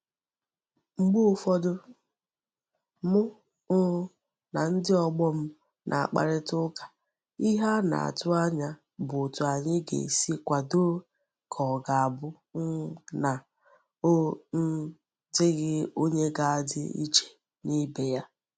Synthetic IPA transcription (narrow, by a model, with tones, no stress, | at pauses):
ŋ͡m̩˦ɡ͡bu˦˨fɔ˦dʊ˦ | mʊ˦ | ʊ˦ | na˨n̩˦dɪ˦ɔ˨ɡ͡bɔ˦m̩˦ | nʔa̰˨a̰˨k͡pa̰˨ɾɪ˦tʊ˦kḁ˨ | i˦ɦa˦na̰˨a̰˨tʊ˦a˦ɲa˦ | bʊ˨tʊ˨a˨ɲɪ˦ɡḛ˨si˦kʷa˨do˦ | kʰɔ˨ɡa˨a˨bʊ˦ | n̩˦na˨ | o˦n̩˦ | dɪ˦ɣɪ˦o˦ɲe˦ɡa˨a˨dɪ̰˦ḭ˦t͡ʃe̥˨ | ni˦be˨ja˦